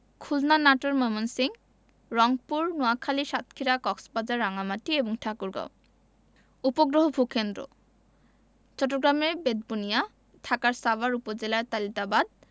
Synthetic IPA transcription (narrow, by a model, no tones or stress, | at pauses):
kʰulnanaʈoɾmɔmonsiŋ | ɾɔŋpuɾnoakʰaliʃat̪kʰiɾakɔksbad͡ʑaɾːaŋamaʈieboŋʈʰakuɾɡa̰w | upoɡɾoɦobʱukend̪ɾo̰ | t͡ɕɔʈːoɡɾamebed̪̚bunija | t̪ʰakaɾsabaɾupod͡ʑelaɾt̪alit̪abad̪̚